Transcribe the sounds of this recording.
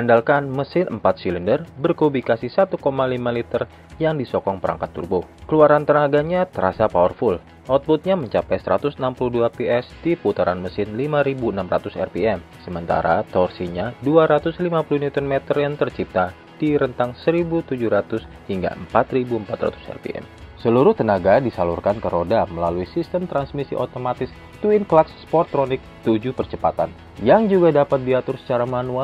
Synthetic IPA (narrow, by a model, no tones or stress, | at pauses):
andalkanməsɪnəmpat̪̚silindərbərkobikasisat̪ukomalimalit̪ər | jaŋdisɔkɔŋpəɾa̰ŋkat̪ːṵrbʊhkəluaɾant̪ənaɡaɲat̪əɾa̰sapawərfʊl | ʔɔt̪̚bʊt̪̚ɲaməɲt͡ʃapajsəɾat̪ʊsənampuluhduapiɛsd̥iput̪aɾanməsɪnlimaɾibuənamɾa̰t̪ʊsɛ̰rpiɛmsəmənt̪a̰ɾa̰t̪ɔrsiɲaduaɾat̪ʊslimapuluhniut̪ɔnmɛt̪ərjaŋt̪ərt͡ʃip̚t̪a | d̥iɾənt̪aŋsəɾibut̪ud͡ʒuɾat̪ʊs | hiŋɡa̰əmpat̪ɾibuəmpat̪ra̰t̪u̥sɛ̰rpḭʔɛ̰msəluɾʊt̪ənaɡadisalurkankəɾodaməlaluisist̪əmt̪ɾansmisḭʔot̪omat̪ɪs | t̪uinklaksspɔrt̪̚kɾonɪk̚t̪ud͡ʒupərt͡ʃəpat̪an | jaŋd͡ʒuɡadapat̪̚diat̪ʊrsə̥t͡ʃaɾamanua